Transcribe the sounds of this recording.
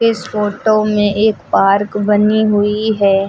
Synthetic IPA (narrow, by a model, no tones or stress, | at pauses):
ɪsfoːʈomẽʔeːkpaːɾkbɐniɦʊiɦɛː